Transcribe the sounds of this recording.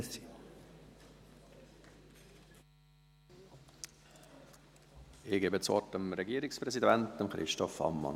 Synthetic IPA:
si | ɪɡeːbət͡sɔ̰təmɾɛɡiːɾɪkspɾɛsidɛnt̚əmχɾɪ̰ʃtɔfɑ̰mːɑ̰n

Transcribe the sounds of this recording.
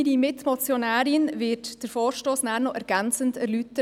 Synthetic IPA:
ɾimɪtmɔt͡sjɔnæːɾɪnʋɪɾtd̥əɾfɔːɾʃtoːsnæːɾnɔʔɛɾɡ̥ænt͡səndɛɾlytə

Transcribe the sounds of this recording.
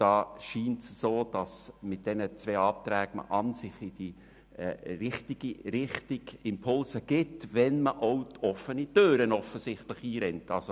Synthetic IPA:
d̥ɑːʃiːntsəsoːd̥ɑsmɪt̚d̥ɛnət͡sʋɛːɑːt̪ɾɛːɡmə̰ʔɑnsɪχɪd̥i | ɾɪχtɪɡ̥iɾɪχtɪɡ̥ɪmpʰʊlsəɡ̥ɪtʋɛnməʔoʊtʰɔfənitøːɾənɔfəsɪχtlɪχiːɾɛntɑlso

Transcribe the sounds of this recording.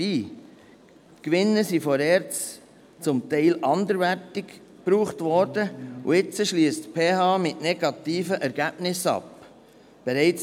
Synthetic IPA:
iː | tkʋɪnːəsifɔɾɛːɾt͡s | t͡sʊmt̪ɛɪlʔɑnd̪əɾʋæɾtɪk | pɾuːχtʋɔɾdəṵɪt͡səʃliəstpʰeːhɑːmɪtnɛɡɑt̪iːfəʔɛɾɡ̥æb̥nɪsɑ̰p | b̥ɛɾɛɪt͡s

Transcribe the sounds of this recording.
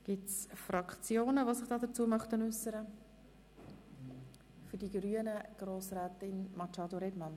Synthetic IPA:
ɡ̥ɪtt͡sfɾɑkʰt͡sjoːnəʋosɪχd̥ɑːd̪ət͡suːəmɑχtənʏsəɾə | fʏɾdiɡɾyənəɡ̥ɾoːsɾɛːtɪnmɑt͡ʃɑːd̪oɾɛdmɑn

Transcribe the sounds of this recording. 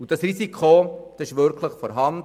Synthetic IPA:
ud̥ɑsrisikʰod̥ɑsɪʃʋʏɾkʰləχfɔɾɦɑnd

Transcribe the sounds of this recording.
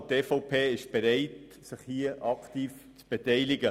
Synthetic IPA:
teːfɔʊpʰeːɪʃb̥eɾɛɪt | sɪχhiəʔɑktiːf | t͡sb̥etɛɪlɪɡə

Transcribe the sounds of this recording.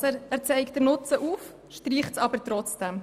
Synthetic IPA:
æːɾt͡sɛɪk̚d̥əɾnʊt͡səʔuːf | ʃtriːχtsɑbəɾtrɔt͡sd̥ɛm

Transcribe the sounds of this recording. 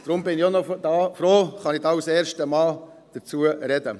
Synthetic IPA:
d̥ɾʊmbɪnɪonɔd̥̪ɑːfɾoːχɑnɪd̪ɑːusɛːɾʃtəmɑːl | d̥ət͡suəɾɛdə

